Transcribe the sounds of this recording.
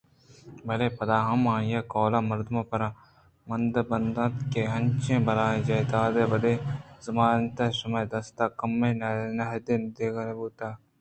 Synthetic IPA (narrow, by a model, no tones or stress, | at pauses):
bɐleːpɐd̪aːɦɐmãːjaːkoːlaːmɐɾd̪mãːpɐɾãː | mɐnd̪bɐnd̪ãːt̪keːɦɐnt͡ʃẽːbɐɾaːẽd͡ʒɐːd̪aːd̪eːʋɐd̪eːzɐmaːnt̪ɐsɐmɐjd̪ɐst̪aːkɐmːẽːnɐɦd̪ɪnd̪eːɡɐɾebuːt̪aː